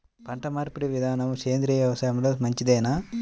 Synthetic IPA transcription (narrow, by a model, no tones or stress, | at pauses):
pɐɳʈɐmaːɾpuɾiʋid̪ʱaːnɐmseːnd̪ɾiːɐʋɐsɐjɐmɐlɐːsmɐɲt͡ʃid̪eːna